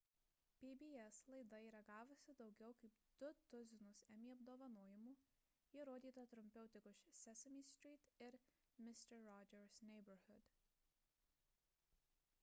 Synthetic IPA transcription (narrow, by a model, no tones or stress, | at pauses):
pʲibʲiːɛslˠɐɪd̪ɐiːɾɐɡɑːʋʊsʲɪd̪ɒʊɡʲɛʊkɐɪpd̪̥ʊt̪ʊzʲɪnʊsɛmʲiːɐbd̪oːʋɐnoːjɪmuː | jɪɾoːd̪ʲiːt̪ɐt̪ɾʊmʲpʲɛʊt̪ʲɪkʊʃsʲɛsʲɛmʲiːsʲt̪ʲɾʲiːt̪ɪɾmʲɪsʲt̪ʲɛɾɾɔd͡ʒʲɛɾsnʲɛɪbɐɾhʊd̪̥